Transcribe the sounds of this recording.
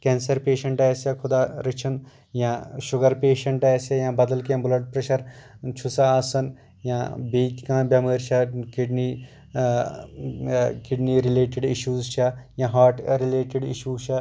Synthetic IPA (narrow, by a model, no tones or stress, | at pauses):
kẽːnsɐɾpeːʃɐɳʈɛːsjɐkʰʊd̪aːɾɪt͡ʃʰɐn | jãːʃʊɡɐɾpeːʃɐɳʈɛːsɐjãːbɐd̪ɐlkjãːbʊlɐʈ̚pɾɐʃɐɾt͡ʃʰusaaːsɐn | jãbiːkkãːbʲjɐmeːɾt͡ʃʰɐkiɖni | kɪɖniːɾɪleːʈɪɖiʃuːzt͡ʃʰajãːɦaːɾʈɾɪleːʈɪɖḭʃuːt͡ʃʰɐ